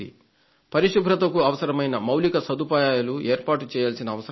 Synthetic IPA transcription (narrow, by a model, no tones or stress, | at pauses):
ḭ | pɐɾiʃubʱɾɐt̪ɐkuɐʋɐsɐɾɐmɐjnɐmɐwlikɐsɐd̪upaːjaːjɐlueːɾpaːʈut͡ʃɛːjaːlsinɐːʋɐsɐ